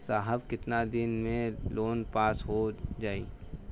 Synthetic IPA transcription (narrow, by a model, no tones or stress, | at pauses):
saːɦəbkɪt̪nad̪ɪnmẽloːnpaːsɦod͡ʒaːiː